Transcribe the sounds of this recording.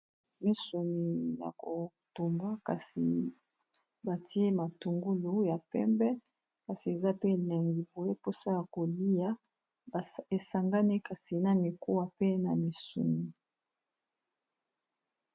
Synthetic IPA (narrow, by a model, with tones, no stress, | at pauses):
mi˦su˨ni˨ja̰˨ko˨ | tu˨mba˦ka̰˨sḭ˨ | ba˨ti˦e˦ma˨tu˨ŋɡu˦lu˦ja˨pɛ̰˦mbɛ˦ | pa˨si˨e˨za˦pe˦˨lɛ˨ŋɡi˨bo˨je˦po˦sa˦ja˨ko˨li˦ja˦˨ | e˨sa˨ŋɡa˦ni˦ka˨si˨na˨mi˨ko˦wa˨pe˦na˨mi˨sṵ˨ni˨